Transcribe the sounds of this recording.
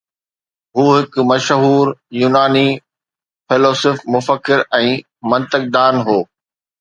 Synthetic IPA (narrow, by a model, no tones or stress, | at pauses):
ɦuːɦɪk̆mɐʃɦuːɾjuːnaːni | pʰeːloːsɪfmʊfəkːɪɾɛ̃ː | mɐ̃nt̪ɪk̚d̪aːnɦoː